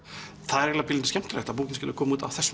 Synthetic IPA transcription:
θaðɛɾjɛlapɪlɪnʏscɛm̥t̪ɾɛht̪ap̬oːkcɪnscɪlʏɾkʰɔːmuːt̪a̰wθɛsː

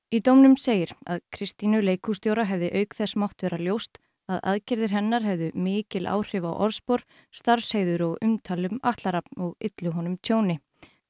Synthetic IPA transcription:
it̪owmnʏmseːjɪɾa̰ðkʰɾɪst̪inʏleːjkʰust̪jowɾaɦɛvðɪʔœːɥkθɛsmawht̪vɛːɾaljowst̪ | aða̰ðcɪɾðɪɾ̥ɦɛnːaɾ̥ɦɛvðʏmɪːcɪlʔa̰ːwr̥ɪva̰wʔɔɾspoɾ̥ | st̪aɾfsheːjðʏɾɔɣʏmt̪ʰaːlʏmaht̪laɾapnɔɣɪt̪lʏɦɔnʏmt̪ʰjoːwnɪ

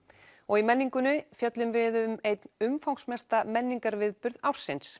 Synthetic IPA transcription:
ɔɣimɛnːiŋkʏnʏfjœt̪lʏmvɪðʏmejt̪nʏmfawŋsmɛst̪amɛnːiŋkaɾvɪðpʏɾðawɾ̥sːɪns

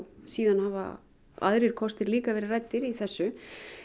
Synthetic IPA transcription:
siːðanhava̰ | a̰ðɾɪɾ̥kʰɔst̪ɪɾliːkavɛːɾɪrajt̪ːɪɾiθɛsːʏ

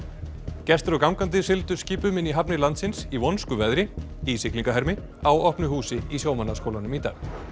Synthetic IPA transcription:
cɛst̪ɾɔkawmkant̪̬ɪsɪlt̪ʏ̥sciːpʏmɪniɦapnɪlant̪sɪnsivɔnskʏvɛðɾɪ | isɪkliŋkaɦɛɾmɪ | awɔhpnʏhuːsɪisjoːwmanːaskowlanʏmit̪a̰ːɣ

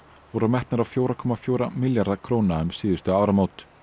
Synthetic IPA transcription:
vɔɾʏmɛht̪naɾawfjowɾakʰɔmafjowɾamɪljaɾðakʰɾownaʏmsɪːðʏ̥st̪ʏaːwɾamoːwt̪

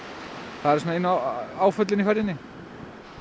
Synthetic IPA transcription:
θaðɛɾsoːnaɪnːʏaaːwfʏt̪lɪnifɛɾðɪnːɪ

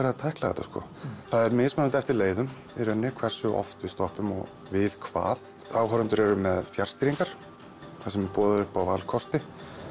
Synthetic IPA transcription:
ɛɾaðt̪ʰajklaɣɛ̰t̪askɔ̰θaðɛɾmɪːðsmɛnant̪ɛft̪ɪɾleːjðʏm | iɾœnːɪkʰv̥ɛr̥sʏʔɔ̰ft̪vɪðst̪ɔhpʏmɔ̰ɣ | vɪðkʰva̰ːð | aːwɦœɾʏnt̪ʏɾɛɾʏmɛðfjar̥st̪iɾiŋkaɾ̥ | θasɛmɛpɔːðʏʏhpawvalkʰɔst̪ɪ

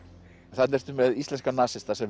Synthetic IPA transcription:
θat̪nɛr̥t̪ʏmɛðisɛnskanaːsɪst̪asɛm

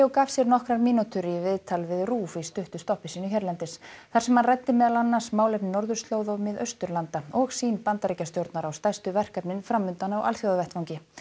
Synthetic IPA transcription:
ɔwkaːv̥sjɛɾnɔhkɾaɾmiːnut̪ʰʏɾivɪðt̪ʰalvɪðruːfist̪ʏht̪ʏst̪ɔhpɪsiːnʏçɛɾlɛnt̪ɪsθaɾsɛmhanrajt̪ːɪmɛːðalanːḁsmaːwlɛpnɪnɔɾðʏɾ̥st̪loːwðɔmɪðœɥst̪ʏɾlant̪aɔɣsiːnpant̪aɾicast̪jowɾt̪naɾawst̪ajst̪ʏvɛr̥kapnɪnfɾamːʏnt̪anaɔwʔa̰lθjowðavɛht̪vawŋcɪ

